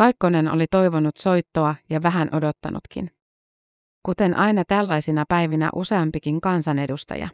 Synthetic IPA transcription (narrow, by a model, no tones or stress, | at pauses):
kɑjkːo̞ne̞no̰lit̪o̞jʋo̞nut̪so̞jt̪ːoɑjɑʋæɦænʔo̞do̞t̪ːɑ̰nṵt̪kḭn | kut̪e̞nʔɑjnɑt̪ælːɑjsinɑpæjʋinæ̰ʔuse̞ɑmpikiŋkɑnsɑne̞dust̪ɑ̰jɑ̰